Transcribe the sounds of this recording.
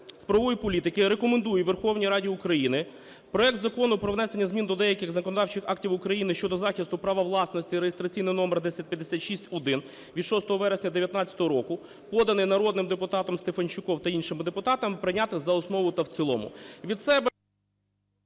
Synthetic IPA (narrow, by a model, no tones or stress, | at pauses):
spɾɔʋɔjipɔlʲit̪ɪkɪɾekɔmend̪ujɛʋerxɔwnʲijɾɑdʲiukɾɐjinɪ | pɾɔɛk̚t̪zɐkɔnʊpɾɔʋnɛsenʲːɐzʲmʲind̪ɔd̪ɛjɐkɪɣzɐkɔnɔd̪ɑwt͡ʃɪxɑktʲiwʊkɾɐjinɪʃt͡ʃɔd̪ɔzɑxʲist̪ʊpɾɑʋɐʋlˠɑsnɔsʲtʲiɾejest̪ɾɐt͡sʲijnɪjnɔmɛrd̪ɛsʲɐt̚ʲpʲjɐd̪ːesʲat̪ʃisʲtʲɔd̪ɪn | ʋʲid̪ʃɔst̪ɔɦɔʋɛɾesʲnʲɐd̪eʋʲjɐt̪nɑt͡sʲɐ̥t̪ɔɦɔɾɔkʊ | pɔd̪ɐnɪjnɐɾɔd̪nɪmd̪epʊt̪ɑt̪ɔmst̪efɐnt͡ʃʊkɔwt̪ɐinʃɪmd̪epʊt̪ɑt̪ɐmpɾɪnʲat̪ɪzɐɔsnɔʋʊt̪ɐwt̪sʲɪlˠɔ̰mʊ̰ʋʲid̪sɛbɛ